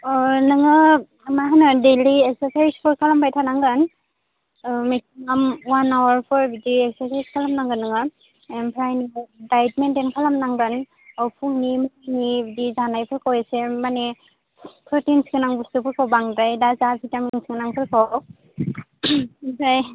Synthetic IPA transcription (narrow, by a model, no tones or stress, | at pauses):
ɔnɯŋɯ | maɦanɯdeliɛk̚səsajspʰɔɹkʰalambajtʰanaŋɡɯn | mesiŋamwanawaɹpʰɔɹbidiɛksaɹsajskʰalamnaŋɡɯnːɯŋɯ | mpʰɹajniŋdajtmɛndɛnkʰalamnaŋɡɯn | ɔpʰuŋnimɔnibidizanajpʰɯɹkʰɔwjasɛmanɛ | tʰɔɹtinsikɯnaŋbɯsɯpʰɯɹkʰɔwbaŋdajdazapʰitamiŋsikɯnaŋpʰɯɹkʰɔ | saj